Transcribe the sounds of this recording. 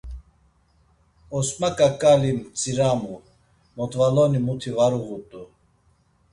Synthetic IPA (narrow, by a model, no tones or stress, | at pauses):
ɔsmakʼakʼalimt͡sʼiɾamu | mɔt̪valɔnimut̪ʰivaɾuɣut̪ʼu